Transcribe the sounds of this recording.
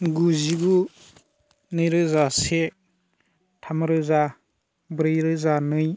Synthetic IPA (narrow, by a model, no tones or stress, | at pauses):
ɡuziɡu | nɯjɾɯzase | tʰamɾɯza | bɾɯjɾɯzanɯj